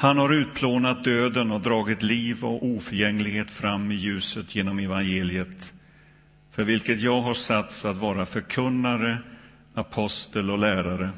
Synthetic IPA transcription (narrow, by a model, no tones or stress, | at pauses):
hanhaɾʉ̟ːt̪̚pʰloːnat̪̚d̪øːd̪ənɔd̪ɾɑːɡɪt̪liːvɔ̰vuːfœɾjɛŋːlɪɡheːt̪fɾamːɪjʉ̟ːsət̪jeːnɔmɛvanjeːlɪət̪ | fœɾvɪlkət̪jɑːɡɦaʂat̪sat̪vɑːɾafœɾkʰɵnːaɾə | apʰɔst̪əlɔlæːɾaɾə